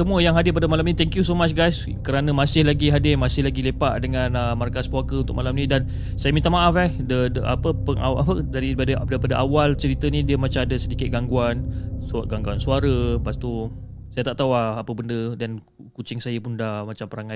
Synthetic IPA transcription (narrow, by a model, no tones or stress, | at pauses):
səmũəjaŋɦadɪpadəmalaminĩt̪ɛŋkjusomat͡ʃɡajs | kəɾanə̃masɪhlaɡiɦadɪmasɪhlaɡilepaʔdəŋãnəmarkaspakəunt̪ʊkmalamnĩdan | sajəmint̪aʔmaʔafɛhdədəʔa̰pəpəŋa̰ʔapədaɾipadədaɾipadəʔawalt͡ʃəɾit̪ənĩdiəmat͡ʃamadəsədikɪt̪̚ɡaŋɡuans̚ɡaŋɡuansuaɾəpast̪usajət̪aʔt̪auaapəbəndədan | kut͡ʃɪŋsajəpʊndahmat͡ʃampəɾaŋa